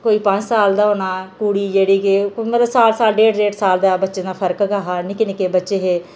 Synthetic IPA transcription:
koːiːpə̃ɲt͡ʃsaːld̪aːoːnaːkuːɽiːd͡ʒeːɽiːkeʊəɾasaːlsaːlɖeːɽɾeːʈsaːld̪aːbətːʃẽːd̪aːpʰəɾkɡaːɦaːnɪkɪnɪkeːbətːʃeːɦeː

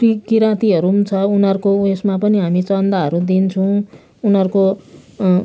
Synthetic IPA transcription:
ikiɾãt̪iɦʌɾumt͡sʰʌunɦʌɾukoesmapʌniɦamit͡sʌnd̪aɦʌɾud̪int͡sʰʌw̃ | unʌɾuko

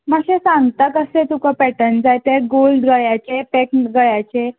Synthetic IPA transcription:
məɕẽsãŋɡt̪akəsẽt̪ukəpɛʈənd͡zajt̪eɡolɖɡəjat͡ɕepekʈɡəjat͡ɕe

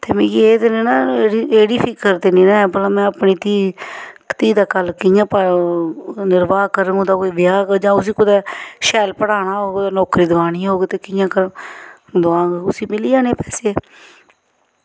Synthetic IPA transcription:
t̪eːmẽːɡieːt̪enenaːieːɽiːpʰɪkːəɾt̪eːniːnãːɛbəlãːmɛ̃ːəpniːt̪iːkt̪iːd̪aːkəlkɪjãːpə | nɪɾbaːkəɾõːd̪aːkoiːʋɪjaːɡd͡ʒãːʊsiːkʊd̪ɛːʃɛːlpəɽaːnaːɦoːɡt̪eːnɔːkɾiːd̪əʋaːɽ̃iːɦoːɡeːt̪eːkɪjãːkəɾ | d̪ʊãːɡʊsiːmɪliːd͡ʒaːneːpɛːseː

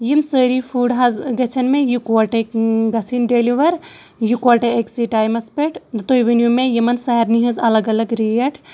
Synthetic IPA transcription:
jimsəːɾifʰuːɖɦɐzɡɐt͡ʃʰɐnmẽjukʋɐʈekɡɐsʰinɖeːliʋɐɾ | jukaʈeeksiʈaːjmɐspeʈʰd̪t̪ojʋenjumẽjimɐnsɛːɾniɦɐzɐlɐɡɐlɐɡɾijɐʈʰ

